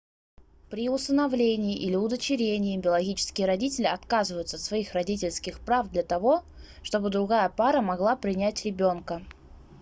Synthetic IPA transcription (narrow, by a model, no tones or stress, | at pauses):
pɾʲɪʊst̪ənɐvlʲenʲɪːʔilʲɪʊd̪ət͡ɕɪɾʲenʲɪɪbʲɪəlˠɐɡʲit͡ɕɪ̥skʲɪjəɾɐdʲitʲɪlʲɪɐt̪kazɨvəjʊt̪səɐt̪svɐixrɐdʲit̬ʲɪlʲskʲɪxpɾavd̪lʲɐt̪ɐvo̞ʂt̪o̞bɨd̪ɾʊɡajəpaɾəmɐɡlˠapɾʲɪnʲætʲɾʲɪbʲo̞nkə